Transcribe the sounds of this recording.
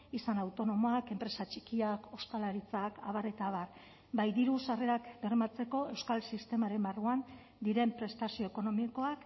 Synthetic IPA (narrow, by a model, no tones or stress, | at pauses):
isanawt̪o̞no̞mo̞ake̞mpɾe̞sat͡ʃikiako̞sk̪alaɾit͡saka̰βare̞t̪aːβar | bajd̪iɾusare̞ɾakbe̞rmat͡se̞ko̞e̞wskalsist̪e̞maɾe̞mbaruan | d̪iɾe̞mpɾe̞st̪asio̞eko̞no̞miko̞ak